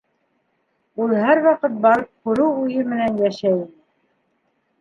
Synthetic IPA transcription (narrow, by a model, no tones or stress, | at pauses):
ulˠhæɾwɑqɤt̪̚bɑɾɤp̚kʉɾɘwujɤmɘ̆nænjæʃæinɘ